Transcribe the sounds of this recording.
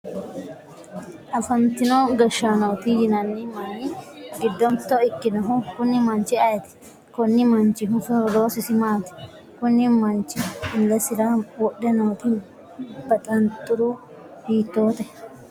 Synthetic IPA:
ʔɐfɐnt̪ɪnoːɡɐʃːaːnɐwt̪ɪjɪnɐnːɪmaːnɪɡɪd̪ːɔnt̪ːɔɪkːɪnɐɦʊkʊnːɪmɐnt͡ʃɪɐjɛt̪ɪ̥ | kɔnːɪmɐnt͡ʃːɪɦʊfʊd̪o̞ːsɪsɪmaːt̪ɪ̥ | kʊnːɪmɐnt͡ʃːɪɪlːɛsɪɾawɔɗːɛnɐwt̪ɪ | b̥ɐt̪ʼɐnt̪ʼːʊɾu | hiːt̪ːoːt̪ɛ

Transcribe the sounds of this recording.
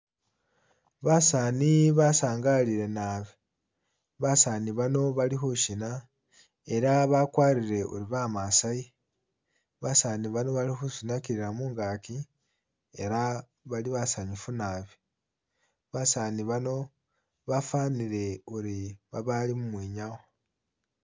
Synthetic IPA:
βasaniβasaːŋɡaliɾe̞naːβi | βasaniβano̞βalixuʃina | e̞ɾaβakwaːɾiɾe̞ṵɾiβamasaji | βasaniβano̞βalixusinakiɾiɾamuːŋɡaki | e̞ɾa | βaliβasaɲifunaβi̥ | βasaːniβano̞ | βafaːniɾe̞uɾiβaβalimumwiːɲaɣo

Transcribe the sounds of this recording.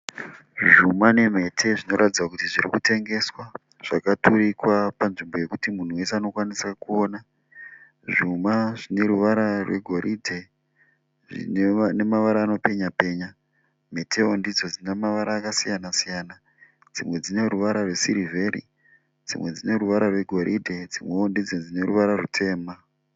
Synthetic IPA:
ʐumane̞m̤e̞tʰe̞ʐino̞ɾatid͡zwakutiʐiɾḭkute̞ŋɡe̞swa | ʐ̥akatuɾikwapanʐimbo̞je̞kutimun̤uwe̞seano̞kwanisakuoːna | ʐumaʐine̞ɾuʋaɾarwe̞̰ɡʱo̞ɾʔidʱe | ʐḭnene̞maʋaɾaːno̞pe̞ɲape̞ːɲa | metʰe̞ondid͡zo̞d͡zinemaʋaɾaːkasijanasijaːna | d͡zimwe̞d͡zine̞ruʋaɾarwe̞siɾive̞ɾḭ | d͡zḭwe̞d͡zine̞ruʋaɾarwe̞ɡʱo̞ɾʔidʱe̞d͡zimweondid͡zed͡zine̞ruʋaɾarutʰe̞ːma

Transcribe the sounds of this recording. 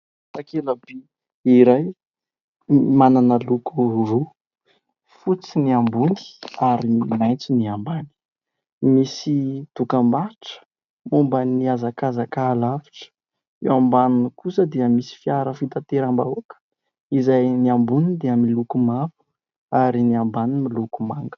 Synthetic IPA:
sakelabe | iɾaj | mananəlukuru | fut͡siniambuni̥aɾiimajnt͡siniambani̥ | misit̪ukambaʈ͡ʂə̥ | mombəniazakazakaːlavi̥ʈ͡ʂə̥ | ewambanunikusəd̪eəmisi̥fiaɾəfit̪at̪eɾamba̰uakə̥ | izajniambunid̪eəmilukumavu̥ | aɾiniambanimilukumaŋɡə̥

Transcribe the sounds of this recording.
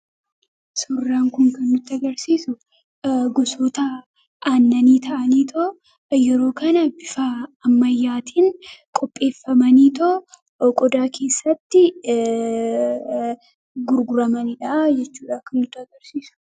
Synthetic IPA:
sʊrːaːŋkʊŋkɐnːʊt̪ːɪɐɡɐɾsiːsʊ | ɡʊsoːt̪ɐ | ʔaːnːɐniːt̪ʰɐʔɐniːt̪ʰɔ | jɛɾo̞ːkɐnɐbɪfaːmːɐjːaːt̪ʰiːnkʼɔpʼːe̞ːfːɐmɐniːt̪o | kʼɔd̪aːkʰe̞ːsːɐt̪ːɪ | ɡʊɾɡʊɾɐmɐnɪᶑad͡ʒɛt͡ʃːuːᶑaːkɐnːʊt̪ːɐɡɐɾsiːsʊ̥

